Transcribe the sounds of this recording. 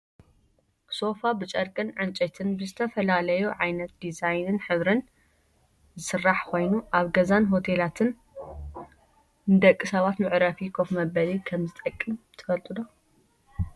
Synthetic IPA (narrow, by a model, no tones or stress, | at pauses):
so̞fabɨt͡ʃʼɐɾkʼɨnʕɨnt͡ʃʼɐt̪ʰɨnbɨzɨt̪ʰɐfɐlalɐjuʕajnɐt̪̚d̪izajnɨnħɨβɾɨn | zɨsɨrːaħkʰo̞jnuʔaβɡɐzanɦo̞t̪ʰelat̪ʰɨn | nd̪ɐkʼːɨsɐβat̪mɨʕɾɐfikʰofmɐbɐlikʰɐmzɨt̪ʼɐkʼːimt̪ʰɨ̥fɐlt̪ʼɨd̪o